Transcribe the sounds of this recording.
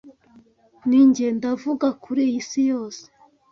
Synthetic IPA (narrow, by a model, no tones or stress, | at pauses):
niɲɟendavuɡakʰuɾijisijoːse̥